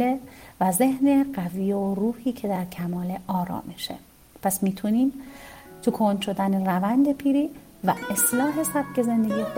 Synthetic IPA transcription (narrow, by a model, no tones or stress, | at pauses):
evæze̞hneɢævijeoruːhiːcʰe̞d̪æɾcʰæmɒːleʔɒːɾɒ̰ːmeʃḛ | pʰæsmiːt̪ʰuniːmt̪ʰukʰond̪ʃo̞d̪ænerævænd̪e̞pʰiːɾiː | væest̪lɒːɦe̞sæb̥̚ce̞ze̞nd̪e̞ɡiːx